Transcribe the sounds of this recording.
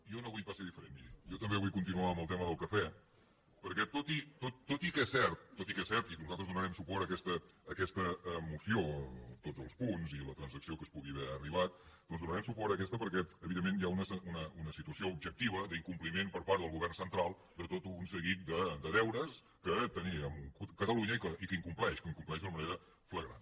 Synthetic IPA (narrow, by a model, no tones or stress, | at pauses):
ijɔnoβujpaseðifəɾḛnjɔt̪əmbeβujkunt̪inuaəmbəlˠt̪ɛməðəlˠkəfɛ | pəɾkɛt̪ot̪it̪ot̪ːot̪ikɛsːɛɾt̪̚ːot̪ikɛsɛɾt̪inuzalt̪ɾəzðunəɾɛmsupɔɾəkɛst̪əːkɛst̪əəmusiot̪odd͡zzəlˠspunzilət̪ɾənzəksiokəspuɣiβɛəriβ̞at̪̚d̪ɔnzðunəɾɛmsupɔɾəkɛst̪əpəɾkɛəβiðemːenjaunəsəunəunəsit̪uəsioubʒək̚t̪iβ̞əd̪əiŋkumplimenpəɾpaɾt̪ðəlˠɣuβ̞ɛrnsənt̪ɾalˠ | d̪ət̪ot̪unsəɣit̪̚d̪əd̪əðɛwɾəs | kət̪əniəmukukət̪əluɲəikəikəiŋkumplɛʃkəiŋkumplɛʒd̪unəməneɾə | fləɣɾa̰n